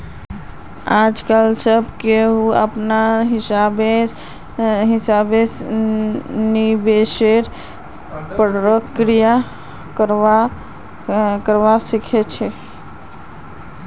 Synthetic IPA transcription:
ad͡ʒkalsəbkeuə̰pnaɦisabe | ɦisabes | nibeseɾ | pɾəkɾija | k | kəɾʋasikʰɛt͡ʃʰɛ

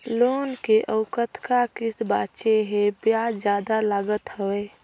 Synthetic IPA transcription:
loːnkeʔəʊkət̪kakɪsbaːt͡ʃeɦẽbjaːd͡ʒjaːd̪alaːɡət̪həweː

